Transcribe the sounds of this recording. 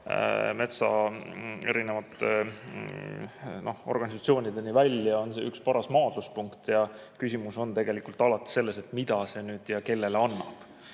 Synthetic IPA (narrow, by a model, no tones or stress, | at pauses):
me̞t̪sɑ̰ | e̞̰ɾinevɑt̪ːˑe | no̞ho̞̰rɡ̥ɑnis̬ɑt̪sio̞ːnid̪e̞nivælʲjɑo̞nsḛːykspɑɾɑsmɑːd̪̥luspuŋkt̪jɑ | kysʲimuso̞nt̪e̞ɡ̥e̞likult̪ɑlɑt̪ːˑi̥se̞lːe̞set̪mid̪ɑse̞nyːd̪̥jɑke̞lːe̞leɑnːɑ̰b̥